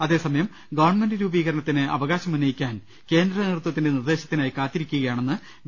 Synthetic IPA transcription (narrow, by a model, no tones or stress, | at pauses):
ɐðe̞ːsɐmɐjɐm | ɡɐʋɐrɳme̞ndɨɾuːbiːɣɐɾɐɳɐt̪ːinɨɐʋɐɣaːɕɐmɐnɐjikʲːaːn | ke̞ːnd̪rɐnirɨt̪wɐt̪ːinde̞nird̪e̞ːɕɐ̥t̪ːinaːjikaːt̪ːiɾikʲːuɣɐjaːɳe̞nːɨ